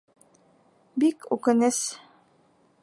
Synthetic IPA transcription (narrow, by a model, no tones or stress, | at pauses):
bikʉ̰kɘ̆nɘs